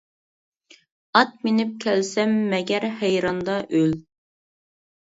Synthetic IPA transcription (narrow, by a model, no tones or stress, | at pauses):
ɑt̪̚menɪp̚kʲʰɛlsɛmːɛɡʲɛɾhæjɾɑnd̪ɑʔøl